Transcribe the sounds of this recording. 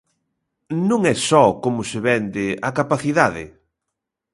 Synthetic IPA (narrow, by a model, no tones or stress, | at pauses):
nũŋɛsɔkomʊsɪβɛnd̪ɪakapaθiðaðɪ̰